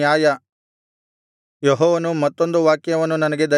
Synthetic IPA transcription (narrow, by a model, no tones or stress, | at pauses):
jaːjɐ | jɔɦɔːʋɐnumɐt̪ːo̞nd̪uʋaːkjɐʋɐnːunɐnɐɡe̞d̪ɐ